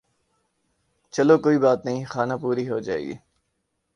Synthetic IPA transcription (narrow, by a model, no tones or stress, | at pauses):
t͡ʃɐlokoːibaːt̪nəɦĩxaːnapuːɾiɦod͡ʒa̰ːḛɡḭ